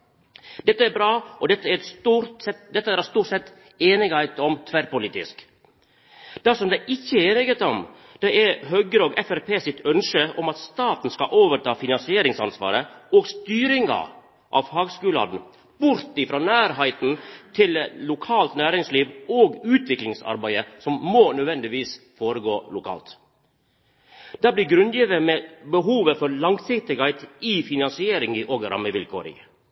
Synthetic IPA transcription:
d̪̥ɛt̪ːəæɾbɾɑːʔɔd̪ɛt̪ːəæɛst̪uːɾsɛtd̪ɛt̪ːəæɾst̪uːʈsɛt̪ː | eːnɪɡæɪt̪ɔmt̪ʰʋæɾpʊlɪt̪ɪ̰sk | d̪̥ɑsɔmd̪æɪʔɪçːəeːnɪɡət̪ɔm | d̪̥ɛæɾɦœɡəɾoːɡɛfæɾpʰeːsɪt̪œnʂəɔmɑt̪st̪ɑːt̪n̩skɑʔoːʋəɾʈʰɑːfɪnɑnsɪeːɾɪŋsɑ̰nsʋɑ̰ːɾəoːɡst̪yːɾɪŋɑ̰ | ʔɑʋhɑːɡskʉːlɑ̰d̪n̩ | bʊɾt̪ɪfɾɑːnæːɾɦæɪt̪n̩t̪ʰɪllʊkʰɑːlt̪næːɾɪŋsliːʋoːɡʉːt̪ʋɪklɪŋsɑ̰ɾbæɪəsɔmmoːnœʋɛnd̪ɪʋiːs | foːɾəɡoːlʊkʰɑ̰ːlt̪ | d̪̥æːbliːɡɾʉnd̪jiːʋəmɛbəɦuːʋəfɔɾlɑŋsɪkt̪ɪɡɑɪt̪ɪfɪnɑnsɪeːɾɪŋəʔoːɡɾʔɑ̰mːəʋɪlkʰo̰ːɾɪ̰

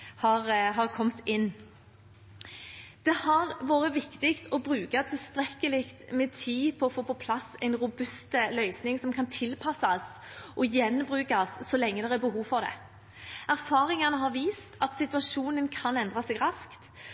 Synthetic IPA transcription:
hɑʁɦɑʁkʰɔmt̪ɪnː | d̪̥ɛhɑʁʋoːʁəʋɪkt̪ɪkt̪ʰɔbɾʉːkɑt̪ʰɪlst̪ɾɛkːəlɪkt̪mɛːt̪ʰiːpʰɔːfoːpɔpʰlɑsɛɪnʁʊbʉst̪əlœʏsnɪŋsɔmkʰɑnt̪ʰɪlpʰɑsɑs | ʔɔjɛnːbʁʉːkɑsːɔlɛŋːəd̪ɛʁæbəɦuːʋfɔʁd̪ɛ̰ | æʁfɑːʁɪŋɑnəɦɑʁʋiːst̪ʰɑt̪sɪt̪ʉʋɑʃuːnənkʰɑnɛnd̪ʁɑsɛɡʁɑskt̪

